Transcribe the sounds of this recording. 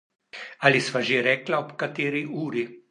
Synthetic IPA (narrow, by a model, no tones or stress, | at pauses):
alisʋaʒeɾɛːklaɔpkat̪eːɾiʔuːɾi